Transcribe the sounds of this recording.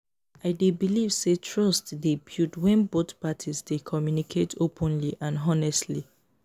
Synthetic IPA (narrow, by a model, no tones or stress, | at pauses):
aɪdebilivsetʰɹɔstdɛpʰjutwɛ̃nbotpatʰizdekʰɔmjunikʰetʰopʰɔ̃nliʔãnɦɔnɛstli